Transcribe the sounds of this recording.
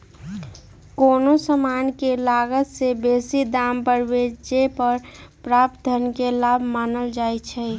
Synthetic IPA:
koːnosəmaːnkelaːɡət̪sebeːsid̪aːmpəɾwed͡ʒd͡ʒepəɾpɾaːp̚t̪ənkelaːbʱmaːnəld͡ʒaːit͡ʃʰɛ

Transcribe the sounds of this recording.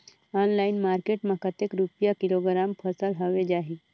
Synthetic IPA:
ɔnlaɪnmaːɾkeʈmãkət̪ekɾupijakiloɡɾampʰəsəlɦoʋed͡ʒaːɦi

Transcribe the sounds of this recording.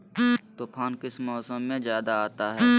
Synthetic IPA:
t̪oːpʰaːnkɪsmɔːsəmːẽzjaːd̪aaːt̪aɦɛː

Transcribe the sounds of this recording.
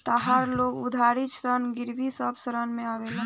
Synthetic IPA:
t̪aɦaɾloːɡʊd̪ʱaːɾit͡ʃsɾənɡɪɾʋisəbsəɾənmẽaːʋela

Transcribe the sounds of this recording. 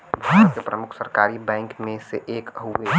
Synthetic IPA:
bʱamt̪kepɾəmʊkʰsəɾkaːɾibɛ̃ːŋkmẽsḛʔeːkɦue

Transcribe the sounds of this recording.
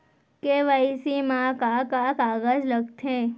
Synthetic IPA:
keʋəisimãkakakaɡəd͡ʒləɡt̪ʰe

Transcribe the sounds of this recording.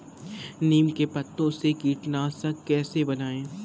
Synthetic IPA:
niːmkepɐt̪ːõsekiːʈnaːsə̃kɛːsebɐnaːẽː

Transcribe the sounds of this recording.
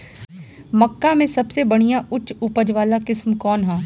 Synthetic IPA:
mɐkːamẽsɐbsebɐɽ̃ijãʔʊt͡ʃʃʊpəd͡ʒʋaːlakɪsmkɔːnɦɛː

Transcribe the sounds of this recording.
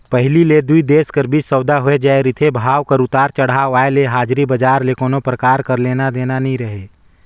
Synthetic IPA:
pəɦɪliled̪uid̪eːʃkəɾbʱisəwd̪aɦoed͡ʒaːeɾɪt̪ʰebʱaːʋkəɾʊt̪aːɾt͡ʃəɽ̤aʋaːeleɦaːd͡ʒɾibəd͡ʒaːɾlekoːnopɾəkaːɾkəɾleːnad̪eːnanɐɦĩɾəɦeː

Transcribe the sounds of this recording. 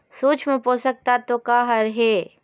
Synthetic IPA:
suːt͡ʃʰmeposək̚t̪at̪okaːɦɐɾɦeː

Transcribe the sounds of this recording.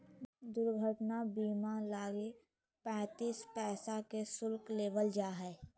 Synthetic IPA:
d̪ʊɾɡʱəʈnabiːmalaːɡe | pɛ̃ːt̪iːspɛːsakesʊlkleːʋəld͡ʒaːɦɛː

